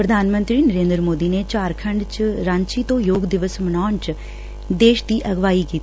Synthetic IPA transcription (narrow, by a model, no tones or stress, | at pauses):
pɾəd̪ʱaːnmə̃nt̪ɾiːnəɾẽːnd̪ɾəmoːd̪iːnet͡ʃaːɾkʰə̃ɳɖt͡ʃɾãːɲt͡ʃiːt̪õːjoːɡd̪ɪʋəsmənaːɳt͡ʃ | d̪eːʃd̪iːʔɐɡʋaːikiːt̪